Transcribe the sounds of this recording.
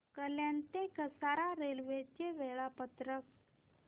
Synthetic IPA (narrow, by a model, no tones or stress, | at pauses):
kəljãnt̪ekəsaɾaɾelʋet͡ɕeʋeɭapət̪ɾək̚